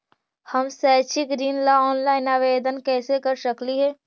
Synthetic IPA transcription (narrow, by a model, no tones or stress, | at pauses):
hɐmsaːt͡ʃɪkɾiːnlaɔːnlaːɪnaːʋeːd̪ənkɛːsekəɾsəkliɦɛː